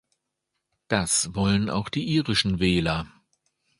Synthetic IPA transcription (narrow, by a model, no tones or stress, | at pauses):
d̥asv̥ɔləna̰ʊxd̥iːʔiːʁɪʃn̩vɛːlɐ